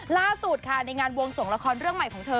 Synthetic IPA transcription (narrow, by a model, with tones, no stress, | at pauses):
laː˥˩su˨˩t̪̚kʰa˥˩na˧jŋaː˧nwo˧ŋso˩˦ŋla˧kʰɔː˧nɾɯ˥˩əŋma˨˩jkʰɔː˩˦ŋt̪ʰɤː˧